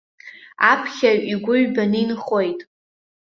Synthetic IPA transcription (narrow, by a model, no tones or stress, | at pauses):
apʰχʲaɥiɡʷʊɥbaninχo̞jtʼ